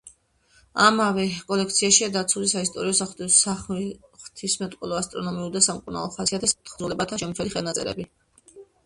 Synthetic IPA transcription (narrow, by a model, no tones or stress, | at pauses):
amavɛkʼɔlɛk̚ʰt̪sʰiaʃiad̪at̪sʰulisaist̪ʼɔɾiɔsaχsaχχt̪ʰismɛt̪ʼqʼɔlˠɔast̪ʼɾɔnɔmiuɾd̪asamkʼuɾna̰lˠɔχasiat̪ʰɛst̪χzulɛbat̪ʰaʃɛmʰɛliχɛlnat̪sʼɛ̰ɾɛ̰bi